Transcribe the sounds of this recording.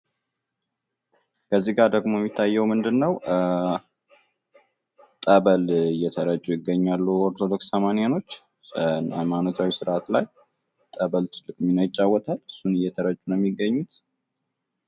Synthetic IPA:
kʰəzːiɡaɾd̪əɡmo̞jɛmːit̪ʰːajːɛwmɨnd̪ɨnːəw | t̪ʼəβəlɨjːɛt̪ʰəɾət͡ʃʼːujɪɡːəɲːalːuoɾt̪ʰo̞d̪o̞ksəmanijano̞t͡ʃː | a̰jmanot̪ʰawisɨɾʔat̪laj | t̪ʼəβəlt̪ʰɨlːɨkʼminəjɪt͡ʃʼːawːɔt̪ʰalɨsːunɨjːɛt̪ʰəɾət͡ʃʼːunəmːiɡːəɲːut̪

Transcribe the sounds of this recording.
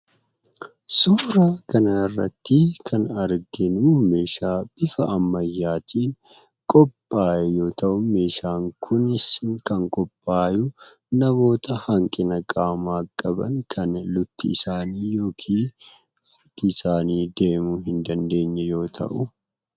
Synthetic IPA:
suːɾaːkɐnaːɪrːɐ̰t̪ːɪkʰɐnɐɾɡɪnuːme̞ːʃaːb̥ɪfɐɐmːɐjːaːt̪ʰiːn | kʼɔpʼːaːjɛjo̞ːt̪ɐʔʊme̞ːʃaːŋkʰʊnɪskɐŋkʼɔpʼːaːjʊ | nɐbo̞ːt̪ɐhɐŋkʼɪnɐkʼaːmaːkʼːɐbɐ̰nkʰɐnlʊt̪ːḭːsaːniːjo̞ːkʰiː | ɐɾɡɪsaːniːd̪e̞ːmuɦɪnd̪ɐnd̪e̞ːɲːɛjo̞ːt̪ʰɐ̰ʔʊ

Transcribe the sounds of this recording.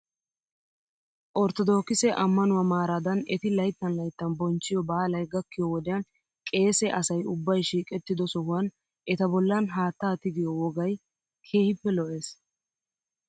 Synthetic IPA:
ʔɔɾt̪ɔd̪o̞ːkːɪsɛʔɐmːɐnʊwɐmaːɾad̪ɐnɛt̪ɪlɐjt̪ːɐnlɐjt̪ːɐnbɔnt͡ʃːɪjɔbaːlɐjɡɐkːɪjɔwɔd̪ɛjɐn | kʼe̞ːsɛʔɐsɐjʊbːɐjʃiːkʼɛt̪ːɪd̪ɔsɔhʊwɐn | ʔɛt̪ɐbɔlːɐnɦaːt̪ːaːt̪ɪɡɪjɔwɔɡɐj | kʰe̞ːhɪpːɛlɔʔe̞ːs

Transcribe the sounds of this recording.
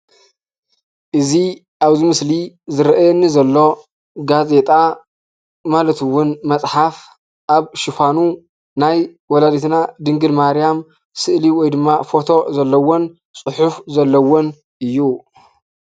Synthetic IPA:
ʔɨzi | ʔaβzimɨsli | zɨɾɐʔajɛnːizɐlːo̞ | ɡaze̞t̪ʼa | malɐt̪ɨwʊnmɐt͡sʼħaf | ʔaβʃɪfanu | najwɔlad̪et̪nad̪ɨŋɡɨd̪maɾijam | sɨʔliwɔjd̪ɨmːafo̞t̪ʰo̞zɐlːɐwon | t͡sʼɨħufzɐlːɐwon | ʔɨjːu

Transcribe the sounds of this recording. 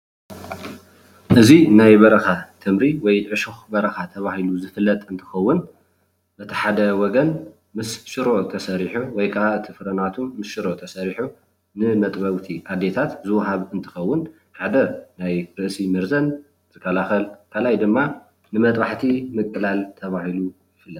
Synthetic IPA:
ʔɨzinajbɐɾɐxat̪ʰɨmɾiwɔjʕɨʃɨxbɐɾɐxat̪ʰɐβahiluzɨfɨlːɐt̪ʼɨnt̪ʰɨ̥xɐwːʊn | b̥ɐt̪ʰi̥ħad̪ɐwɔɡɐn | mɨsʃɨɾʔot̪ʰɐsɐɾiħuwɔjkʰɐʔaɨt̪ʰifɨɾɐnat̪ʰuːɨsʃɨɾot̪ʰɐsɐɾiħu | nɨmɐt̪ʼbɐwt̪ʰiʔad̪ːet̪ʰat̪zɨwɦaβɨnt̪ʰɨ̥xɐwːʊn | ħad̪ɐnajɾɨʔsimɨɾzɐn | z̥ɨkːɐlaxɐlkʰalajd̪ɨmːa | nɨmɐt̪ʼbaħt̪ʰimɨkʼːɨlalt̪ʰɐβahilujɪfɨlːɐt̪

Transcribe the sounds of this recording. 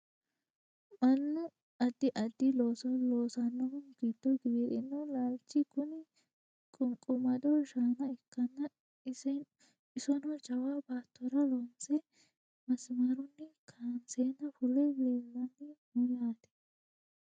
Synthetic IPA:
mɐnːʊ | ɐd̪ːɪʔɐd̪ːɪloːsɔloːsɐnːɔhʊnɡ̥iːd̪̥ːɔɡeeɾɪnːɐlaːlt͡ʃːɪkʊnɪ | kʼʊŋkʼʊmɐd̪ɔʃaːnɐɛkːɐnːɐ | ɪsɛn | ɪsɔnɔd͡ʒɐwaːbaːt̪ʰːɔɾɐlɔnt͡sɛ | mɐsmɐɾʊnːɛkʰaːnseːnːɐfʊlɛbeːlːɐnɪmɔlaːd̪ɛ̥

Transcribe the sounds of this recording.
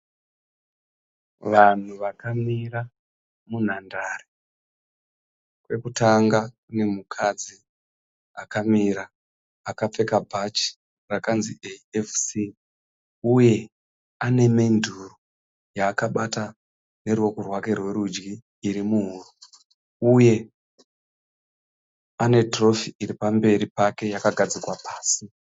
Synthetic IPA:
ʋan̤uʋakamira | mun̤andaːre | kwe̞kutaŋɡakune̞mukʰad͡zi | akamiɾaː | kap͡fe̞kabʱat͡ʃi̥ | rakanzieefsi | uje̞ | ane̞mendʱuru | jaːkaɓata | ne̞ɾuwo̞kurwake̞rwe̞ɾud͡ʒɡiː | ɾimuɦuru | uje̞ | ane̞tro̞fiiɾipambe̞ɾipake̞jakaɡʱad͡zikwapaːsi

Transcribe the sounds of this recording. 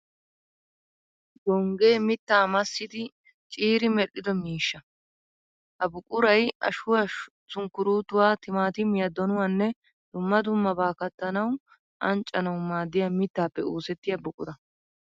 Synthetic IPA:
d̪ɔŋɡe̞ːmɪt̪ːaːmɐsːɪd̪ɪ | t͡ʃʼiːɾɪmɛɗːɪd̪ɔmiːʃːɐ | hɐbʊkʼʊɾɐjɐ̰ʃʊwɐ | t͡sʊŋkːʊɾuːt̪ʊwaːt̪ɪmaːt̪ɪmɪjɐd̪ɔnʊwɐnːɛ | d̪̥ʊmːɐd̪ʊmːɐbaːkɐt̪ːɐnɐw | ʔɐnt͡ʃʼːɐnɐwmaːd̪ːɪjamɪt̪ːaːpːɛuːsɛt̪ːɪjɐbʊkʼʊɾɐ

